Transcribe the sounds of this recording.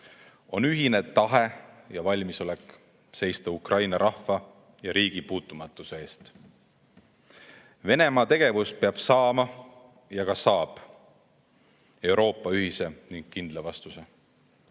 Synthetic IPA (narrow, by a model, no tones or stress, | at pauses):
o̞nyɦine̞t̪ɑɦejɑvɑlʲmiso̞lɛkˑ | se̞jst̪ɑukrʔɑjnɑɾʔɑhfɑ | jɑɾiːɡ̥ipuːt̪ːˑumɑt̪ːˑuseeːst̪ | ve̞ne̞mɑːt̪e̞ɡ̥e̞vuspe̞ɑb̥sɑːmɑ | jɑkɑsɑːb̥ | e̞wɾʔo̞ːpːˑɑyɦise̞niŋɡ̥̚kind̪̥levɑst̪use̞